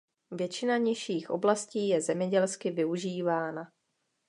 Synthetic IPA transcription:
vjɛt͡ʃɪnaɲɪʃiːxʔo̞blasciːjɛzɛmɲɛɟɛlskɪvɪuʒiːvaːna

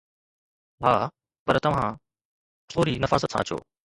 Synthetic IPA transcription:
ɦaː | pɐɾt̪ɐʋ̤ã | t̪ʰoːɾinɐfa̰ːzət̪sʰã̰ːt͡ɕʰo̰ː

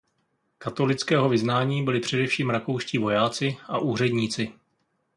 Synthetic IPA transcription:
kat̪o̞lɪt͡skɛːɦo̞vɪznaːɲiːbɪlɪpr̝̥ɛdɛfʃiːmɾako̞wʃcivo̞jaːt͡sɪʔa̰ʔuːr̝ɛdɲiːt͡sɪ

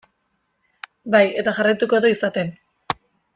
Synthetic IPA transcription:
baje̞t̪axarajt̪uko̞ðoisat̪e̞n

